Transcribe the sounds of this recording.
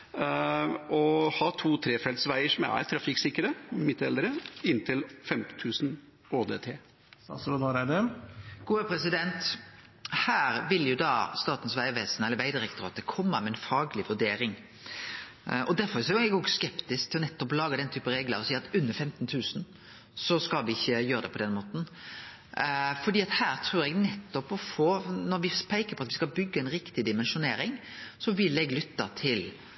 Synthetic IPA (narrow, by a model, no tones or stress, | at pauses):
ɔhɑːt̪ʰuːt̪ʰɾeːfɛlt̪sʋæɪəʂɔmæ̰ɾt̪ʰɾɑfɪksɪkːəɾəmɪt̪ɛld̪ɾəɪnt̪ʰɪlfɛmt̪n̩t̪ʰʉːsn̩ | oːd̪ḛːt̪ʰeː | ɑɾæd̪ɛɡ̥uːəpʰɾɛsɪd̪ɛnt̪ | hæːɾʋɪljʊd̪ɑːst̪ɑːt̪n̩sʋæɪʋeːsnɛlːəɾʋæɪd̪ɪɾɛkt̪ʊɾɑːt̪d̪ɛkʰɔmːəmɛɛnfɑːɡlɪʋʉɖeːɾɪŋ | ʔɔd̪æɾfɔɾɛsʊɛɡɔɡskɛpt̪ɪskt̪ʰɪlɔnɛt̪ːɔpɔlɑːɡəd̪ɛnt̪ʰyːpəɾeːɡlə̰ɾɔsiːɑt̪ʉnːəɾfɛmt̪nt̪ʰʉːsn̩ | sɔskɑlʋɪɪçːəjøːɾəd̪ɛpʰɔd̪ɛnmoːt̪n̩ | fɔɖiːɑt̪hæːɾt̪ʰɾʉːɾɛɡnɛt̪ːɔpɔfoːnɔɾʋɪspʰæɪkəɾpʰɔɑt̪ʋɪskɑlbʏɡːəɛnɾɪkt̪ɪd̪ɪmɛnʃʊneːɾɪŋsɔʋɪlːɛɡlʏt̪ːɑt̪ʰɪl